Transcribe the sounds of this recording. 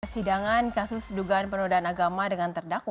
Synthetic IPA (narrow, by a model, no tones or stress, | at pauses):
rsidaŋankasʊsduɡaːnpənudaanaɡamadəŋant̪ərdakw